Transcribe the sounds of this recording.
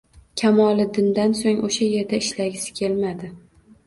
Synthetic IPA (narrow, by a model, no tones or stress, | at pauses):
kʲʰamɒlˠɪd̪ɪnd̪ansoŋoʃaje̞ɾd̪aɪʃlaɡʲɪsɪ̥kʲʰe̞lmad̪ɪ